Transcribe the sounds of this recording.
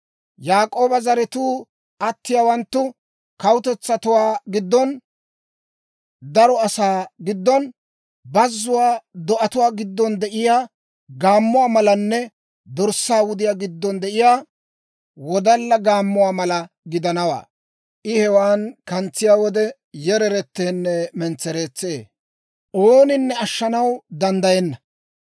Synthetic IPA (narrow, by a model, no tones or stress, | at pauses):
jaːkʼo̞ːbɐzɐɾɛt̪uː | ʔɐt̪ːɪjaːwɐnt̪ːʊ | kɐwʊt̪ɛt͡sːɐt̪ʊwaːɡɪd̪ːɔn | d̪ɐɾɔɐsaːɡɪd̪ːɔn | bɐzːʊwaːd̪ɔʔɐt̪ʊwaːɡɪd̪ːɔnd̪ɛʔɪjaː | ɡaːmːʊwaːmɐlɐnːɛ | d̪ɔɾsːaːwʊd̪ɪjaːɡɪd̪ːɔnd̪ɛʔɪjaː | wɔd̪ɐlːɐɡaːmːʊwaːmɐlɐ | ɡɪd̪ɐnɐwa̰ː | ʔɪhɛwaːnkɐnt͡sːɪjaːwɔd̪ɛ | jɛɾɛɾɛt̪ːeːnːɛmɛnt͡sːɛɾeːt͡sːeː | ʔoːnɪnːɛɐʃːɐnɐwd̪ɐnd̪ɐjɛnːɐ